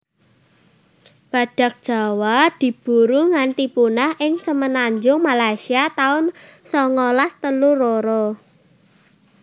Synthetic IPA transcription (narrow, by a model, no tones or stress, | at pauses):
b̥ä̤ɖ̥ä̤k̚d̥ʒ̥ä̤wad̪̥i̤b̥ṳɾuŋant̪ipunahʔɪŋsəmənaɲd͡ʒʊŋmalajsiat̪aʊnsɔŋɔlast̪əluroɾɔ